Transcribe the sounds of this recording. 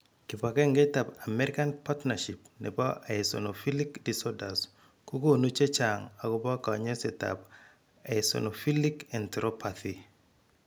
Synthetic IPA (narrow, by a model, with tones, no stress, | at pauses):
kɪ˨pa˨kɛ˦ŋɡe˦ta˨pa˨mɛ˦ɾɪ˦ka˦npa˦tnaʃi˨p̚nɛ̰˨bɔ˦ʔa˨ɪsɔ̰˨no˨fi˦li˦kdi˨sɔ˦da˨s | ku˦ko˦no˦t͡ʃe˦t͡ʃaŋa˨kɔ˦bɔ˦ka˨ɲe˦sɛ˨ta̰p̚ | a˨so̰˨no˨fi˦likɛ˨nt̪ɾɔ˦pat̪i˨